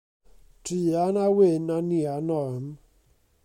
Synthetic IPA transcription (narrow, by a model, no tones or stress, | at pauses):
tianawenanianɔm